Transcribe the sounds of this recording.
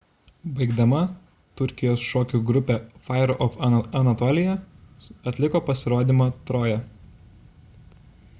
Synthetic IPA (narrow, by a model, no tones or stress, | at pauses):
bɐɪɡd̪ɐmɐ | t̪ʊɾʲkʲɪjoːsʃoːkʲuɡɾʊpʲeːfɐɪɾʊʔɔfɐnɐt̪ɔːlʲɪjɛ | ɐt̪ʲlʲɪkoːpɐsʲɪɾoːd̪ʲiːmɐt̪ɾoːjɛ